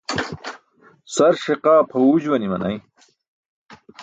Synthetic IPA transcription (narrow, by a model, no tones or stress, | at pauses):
sɐɾʂeqaːpʰɐud͡ʑwɐnimɐ̰nʔɐ̰j